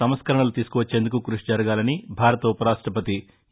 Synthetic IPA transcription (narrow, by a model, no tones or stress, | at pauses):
ɐmɐskɐɾɐɳɐlut̪iːsu̥kuʋɐt͡ʃːe̞ːnd̪ukukɾuʂid͡ʒɐɾɐɡaːlɐnibʱaːɾɐt̪ɐupɐɾaːʂʈɾɐpɐt̪i